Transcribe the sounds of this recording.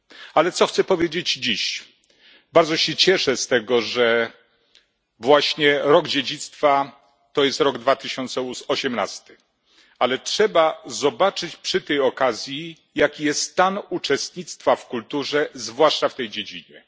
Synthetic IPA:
alɛt̪sɔxt̪sɛpɔvʲjed͡ʑed͡ʑd͡ʑiɕ | baɾd̪zɔɕɛt͡ɕɛʂɛst̪ɛɡɔʐɛ | vwaɕɲɛɾɔɡd͡ʑed͡ʑit̪st̪fa | t̪ɔjɛst̪ɾɔɡd̪vat̪ɘɕɔnt̪sɛɔɕɛmna̰st̪ɘ̥ | alɛtʂɛbazɔbat͡ʂɘt͡ɕpʂɘt̪ɛjɔkazʲji | jakʲijɛst̪t̪ːanut͡ʂɛst̪ɲit̪st̪fafkult̪uʐɛzvwaʂt͡ʂaft̪ɛjd͡ʑed͡ʑiɲɛ

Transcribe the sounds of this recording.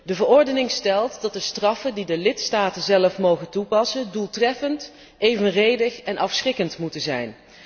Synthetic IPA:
dəvəɹɔɹdənɪŋstɛlˠtdɑt̚dəstrɑfəndidəlɪtstaːtənzɛləfmowχəntupɑsəndulˠtrɛfənt | ʔejvənrejdəχɛnʔɑfsrɪkəntmutənzɛ̰jn

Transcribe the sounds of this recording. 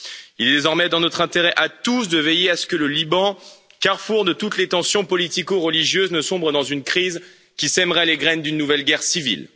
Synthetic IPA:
ilɛd̪ezɔʁmɛd̪ɑ̃nɔt̪χɛ̃t̪eʁɛʔat̪us̬d̪əvejeasə̥kələlibɑ̃ | kaʁfuʁd̪ət̪ut̪let̪ɑ̃sjɔ̃pɔlit̪ikoʁəliʒjøznəsɔ̃bʁəd̪ɑ̃zynkχiz | kʲisɛmʁɛleɡʁɛnd̪ynːuvɛlɡʲɛʁsivḭl

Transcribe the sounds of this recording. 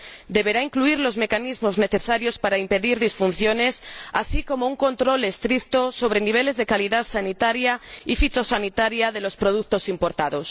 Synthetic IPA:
d̪e̞βe̞ɾaiŋkluiɾlo̞zme̞kanizmo̞zne̞θesaɾjo̞spaɾaimpe̞ðiɾðisfunθjo̞ne̞sasiko̞mo̞uŋko̞nt̪ɾo̞lest̪ɾik̚t̪oso̞β̞ɾe̞niβ̞e̞le̞zðe̞kaliðaðsanit̪aɾjaifit̪o̞sanit̪aɾjaðe̞lo̞spɾo̞ð̞ukt̪o̞simpo̞ɾt̪aðo̞s

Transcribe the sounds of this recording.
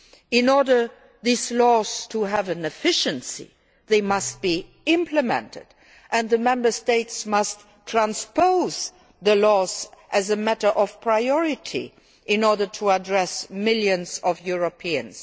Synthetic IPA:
ɪ̃nɔɹdə˞ | ðizlɔz̥tʰuævɨ̃nɨfɪʃɨ̃nsḭ | ðeɪmʌst̚b̥i | ɪ̃mpʰləmɛ̰̃ntɨ̰d | ʔɨ̃nðəmɛ̃mbə˞steɪtsmʌstʰ | ɹ̥ãnspoʊz | ðəlɔzʔɨzəmæɾə˞ʔɔv̥pʰɹ̥aɪɔɹɪtʰḭ | ʔɪ̃nɔɹdə˞tʰuədɹɛsmɪljɨ̃nzɔvjuɹopʰiɨ̰̃ns

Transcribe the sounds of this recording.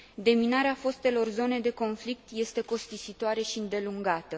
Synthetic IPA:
d̪e̞minaɾeafo̞st̪e̞lo̞rzo̞ne̞d̪e̞ko̞nflik̚t̪je̞st̪e̞ko̞st̪isit̪oaɾe̞ʃiɨnd̪e̞luŋɡat̪ə

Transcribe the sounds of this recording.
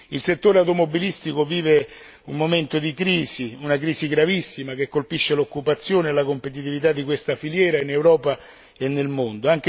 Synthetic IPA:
ilset̪ːoːɾeawt̪omobilist̪ikoviːve | umːoment̪od̪ikɾiːziunakɾiːsiɡɾavisːimak̟ekːolpiʃːelokːupat̪sːjoːneelakompet̪it̪ivit̪̬ad̪ːikwest̪afiljɛːɾainewɾɔːpa | enːelmond̪oaŋk̟e

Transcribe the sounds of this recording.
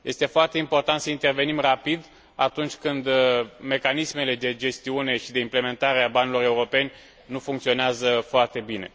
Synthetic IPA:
je̞st̪e̞foart̪e̞impo̞rt̪ant̪səint̪e̞rve̞nimrapid̪ | at̪unt͡ʃʲkɨnd̪me̞kanisme̞le̞d̪e̞d͡ʒe̞st̪iune̞ʃid̪e̞imple̞me̞nt̪aɾeabanilo̞ɾe̞uɾo̞pe̞nʲ | nufuŋkt̪sio̞neazəfoart̪e̞bine̞̰

